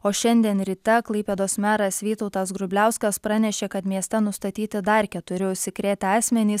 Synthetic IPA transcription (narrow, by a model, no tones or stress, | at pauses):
oːʃʲɛnʲd̪ʲiɛnɾʲɪt̪ʲɛklˠɐɪpʲeːd̪oːsmʲæːɾɐsʋʲiːt̪oʊt̪ɑsɡɾʊbʲlʲæˑʊskɐspɾɑnʲɛʃʲeːkɐt̪mʲiɛsʲt̪ʲɛnʊst̪ɐt̪ʲiːt̪ʲɪd̪ɐɾʲkʲɛt̪ʊɾʲɪʊʃʲsʲɪkɾʲeːt̪ʲɑːsʲmʲɛnʲiːs